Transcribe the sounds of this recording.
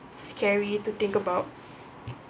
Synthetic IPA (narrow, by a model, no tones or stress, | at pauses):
skʰɛɹitut̪ɪ̃ŋkəbaʊt̚